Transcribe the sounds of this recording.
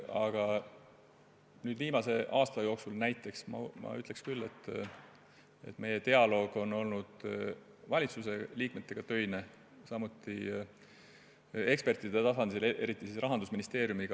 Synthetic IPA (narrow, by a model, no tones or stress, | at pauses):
ɑɡ̥ɑ | nyːd̪viːmɑse̞ʔɑːst̪ɑjo̞ːksulnæjt̪ːˑe̞ksmɑ̰mɑ̰yt̪le̞kskylːe̞t̪ˑː | e̞̰t̪ːˑme̞je̞t̪e̞ɑlo̞ːɡ̥o̞no̞lnud̪̥ | vɑlʲit̪suse̞liːkmet̪ːˑe̞ɡ̥ɑt̪ø̞jne | sɑmut̪ːˑi | e̞kspe̞rt̪id̪e̞t̪ɑsɑnd̪̥ilʔe̞ɾit̪ːˑisisrɑɦɑnd̪usminist̪e̞ːɾjumiɡ̥ɑ